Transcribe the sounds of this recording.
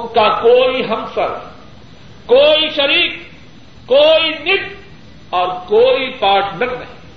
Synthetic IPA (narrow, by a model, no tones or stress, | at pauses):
ʊnkakoːiɦɐ̃msa̰ɾɛ̰ | koːiʃɐɾiːk̚ː | oːinɪk̚ | ɔːɾkoːipaːʈʰnɐknɐ̰ɦĩ